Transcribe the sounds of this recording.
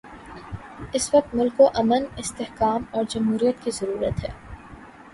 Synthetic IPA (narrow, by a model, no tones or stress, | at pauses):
ɪsʋɐk̚t̪mʊlkoʔɐmənɪst̪ehkaːmɔːɾd͡ʒɐmɦuːɾijət̪kizɐɾuːɾə̰t̪ɦɛ̰ː